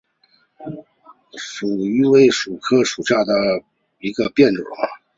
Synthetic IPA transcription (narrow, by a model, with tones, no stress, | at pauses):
ʂu˨˩y˧˥we˥˩ɪʂu˨˩kʰɤ˥˩ʂu˨˩ɕja˥˩d̪ə˩ | i˧˥ɡə˧pjɛ˥˩nʈ͡ʂ̩˨˩mɐ̰˧